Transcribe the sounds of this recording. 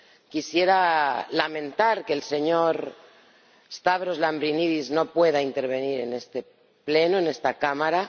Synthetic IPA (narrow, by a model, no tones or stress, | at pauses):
kisje̞ɾalamẽ̞nt̪aɾke̞ːlse̞ɲo̞ɾ | est̪aβɾozlambɾiniðizno̞pwe̞ð̞aint̪e̞ɾβ̞e̞niɾe̞ne̞st̪e | ple̞noene̞st̪akamaɾa